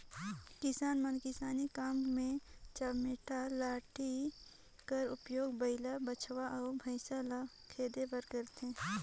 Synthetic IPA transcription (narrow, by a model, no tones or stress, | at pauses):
kɪsaːnmənkɪsaːnikaːmmẽt͡ʃəmɪʈʰalaːʈʰi | kəɾʊpjoːɡbəɪlabət͡ʃʰʋaʔɔːbʱəɪsala | kʰeːd̪ebəɾkəɾt̪ẽː